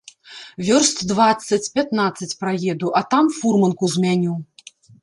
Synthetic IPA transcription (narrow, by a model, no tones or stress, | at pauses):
vʲɔrst̪ʲd̪vat̪sːɐt͡sʲpʲat̪nat̪sːɐt͡sʲpɾajɛd̪uʔɐt̪amfurmɐnkuzʲmʲanʲiw